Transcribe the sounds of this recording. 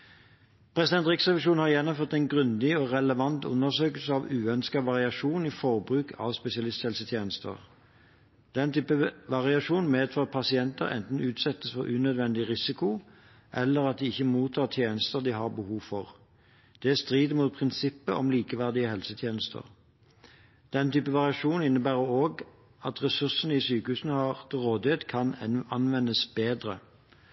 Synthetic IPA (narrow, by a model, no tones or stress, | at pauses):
pʰʁɛsɪd̪ɛnt̪ʁɪksʁɛʋɪʃuːnhɑʁjɛnːɔmføːʁt̪ɛnɡʁʉnd̪ɪɔʁɛləʋɑnt̪ʊ̰nːəʁsøːkəlsəɑʋʉːœnskɑʋɑʁɪɑʂuːniːfɔʁbʁʉːkʰɑ̰ʋspɛsɪɑlɪst̪hɛlsət̪ʰjeːnəst̪ə̰ʁ | d̪̥ɛnt̪ʰyːpəʋɑʁɪɑʂuːnmeːd̪fʰɑːpʰɑsɪɛnt̪əʁɛ̰nt̪n̩ʉːt̪sɛt̪ːəsfɔʁʔʉːnœd̪ʋɛnd̪ɪʁɪsɪkʊ | ʔɛlːəʁɑt̪̚d̪ɪɪçːəmuːt̪ʰɑːʁt̪ʰjeːnəst̪əʁd̪ɪhɑʁbəhuːʋfɔʁ | d̪̥ɛst̪ʁiːd̪muːt̪̚pʰʁɪnsɪpːə̰ʔɔ̰mliːkəʋæʁd̪ɪəhɛlsət̪ʰjeːnəst̪ʰə̰ʁ | d̪̥ɛnt̪ʰyːpəʋɑʁɪɑʂuːnɪnːəbæːʁəoːɡ | ɑt̪ʁɛsʉsnəɪsyːkəhʉːsnəhɑʁt̪ʰɪlʁoːd̪ɪeːt̪kʰɑnɑnʋɛnːəsbeːd̪ʁə